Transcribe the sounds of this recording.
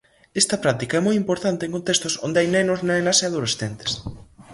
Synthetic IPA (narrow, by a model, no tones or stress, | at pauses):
est̪ɐpɾat̪ikaɛmojimpoɾt̪ant̪eŋkont̪est̪oso̰nd̪eajnenoznaelaseaðolesθent̪e̥s